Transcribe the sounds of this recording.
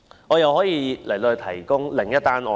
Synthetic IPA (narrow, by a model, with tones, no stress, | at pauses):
ʔɔː˨˧jɐ˨whɔː˨˥jiː˨˧lɐ˨˩jt̪o˧hɵ˧t̪ʰɐ˨˩jkʊ˥ŋlɪ˨˩ŋjɐ˥t̚t̪aː˥nɔ̰ː˨